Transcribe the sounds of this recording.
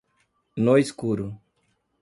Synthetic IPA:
noiskuɾu

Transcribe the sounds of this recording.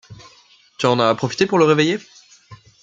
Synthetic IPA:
t̪yɑ̃napχɔfi̥t̪epuʁləʁeveje

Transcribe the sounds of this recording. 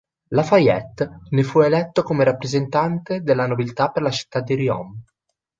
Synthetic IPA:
lafajɛt̪ːnefuelɛt̪ːokomeɾapːɾezent̪ant̪ed̪elːanobilt̪apːerlat͡ʃi̥t̪ːad̪ːiɾiɔ̰m

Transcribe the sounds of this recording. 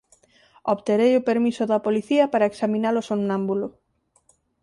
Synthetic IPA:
oβt̪eɾejʊpeɾmisʊðɐpoliθiɐpaɾaeksamĩnaɾosonnãmbulʊ

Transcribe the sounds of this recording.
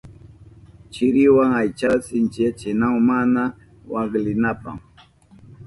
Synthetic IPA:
t͡ʃɪɾɪwaŋajt͡ʃasɪnt͡ʃat͡ʃɪnawmana | waɡlɪnapa̰ŋ

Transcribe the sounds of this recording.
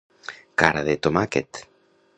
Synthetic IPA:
kaɾaðet̪omaket̪

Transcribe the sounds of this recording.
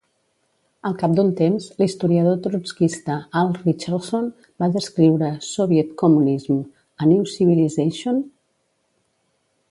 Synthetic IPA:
əlˠkap̚d̪unt̪emzlist̪uɾiəðot̪ɾuskist̪əalˠrit͡ʃəlson | baðəskɾiwɾəsoβjɛt̪kumunizm | əniwsiβilizeʃon

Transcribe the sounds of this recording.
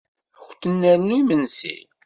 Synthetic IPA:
xʷt̪ənːæɾnuimənsḭl

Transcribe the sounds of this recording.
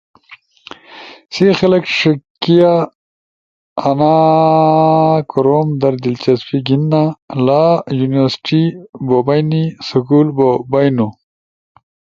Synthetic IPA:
sixelɐkʂukːija | na | kuɾoːmd̪ɐɾd̪ilt͡ɕɐspiɡinːalajuniwɐɾsi̥ʈibobajnisukulbobajnu

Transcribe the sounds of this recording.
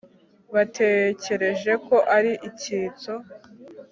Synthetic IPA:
βatʰe̞ce̞ɾe̞ʒe̞ko̞ʔaɾiʔiciːt͡so̞

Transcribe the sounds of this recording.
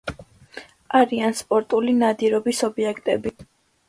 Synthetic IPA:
aɾianspʼɔɾt̪ʼulinad̪iɾɔbisɔbiɛkʰt̪ʼɛbi

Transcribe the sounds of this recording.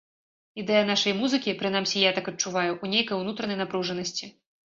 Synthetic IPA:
id̪ɛjɐnaʂɐjmuzɨkʲipɾɨn̪amsʲɛjat̪akɐt͡ʂuvajuʔunʲejkɐjwnut̪ɾɐnɐjnapɾuʐɐnɐsʲt͡sʲi

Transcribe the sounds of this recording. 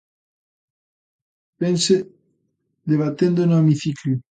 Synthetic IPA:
pense | d̪eβat̪end̪onoemiθiklju

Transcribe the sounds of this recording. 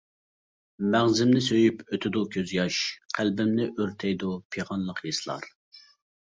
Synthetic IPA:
mæʁzɪmnɪsøjypøt̪ʰɪd̪ukʲʰøzjɑʃqʰælbɪmnɪʔøɾt̪ʰɛjd̪upʰeʁɑnlˠəqʰjesɨlˠɑ̰ɾ

